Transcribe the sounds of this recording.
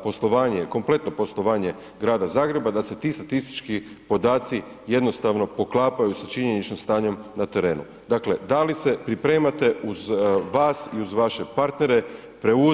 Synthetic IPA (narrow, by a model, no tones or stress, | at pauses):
po̞slˠo̞ʋaːɲe̞ko̞mplˠe̞t̪no̞po̞slˠo̞ʋaːɲe̞ | ɡɾaːd̪azaːɡɾe̞bad̪ase̞t̪iːst̪at̪ist̪i̥t͡ʃki | po̞d̪aːt̪si | jed̪no̞st̪aʋno̞po̞klˠaːpajusat͡ʃiɲenit͡ʃnomst̪aːɲo̞mnat̪e̞ɾe̞ːnṵ | d̪aːkle̞d̪alise̞pɾipɾe̞ːmat̪e̞uzʋaːsiuzʋaʃe̞paɾt̪ne̞ɾe̞ | pɾe̞u